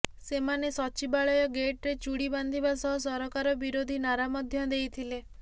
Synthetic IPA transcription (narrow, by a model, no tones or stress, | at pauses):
semanesɔt͡ʃibaɭɔjɔɡeʈɾet͡ʃuɽiband̪ʱibasɔɦɔs̬ɔɾɔkaɾɔbiɾod̪ʱinaɾamɔd̪ʱjɔd̪ejt̪ʰile